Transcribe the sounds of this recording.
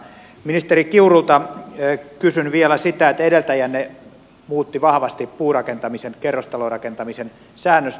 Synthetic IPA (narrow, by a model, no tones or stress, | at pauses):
minist̪erikiurult̪ɑ | kysynʋielæsit̪æet̪ːedelt̪æjænne | muːt̪ːiʋɑhʋɑst̪ippuːrɑkent̪ɑmisenkerːost̪ɑlorɑkent̪ɑmisen | sæːnːøst̪